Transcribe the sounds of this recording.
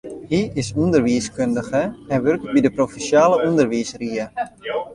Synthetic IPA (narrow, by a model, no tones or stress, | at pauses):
ɦiɪsundərʋiəskøndəɣəɛnʋørk̚tbidəprofisjaːləundərʋiːsriə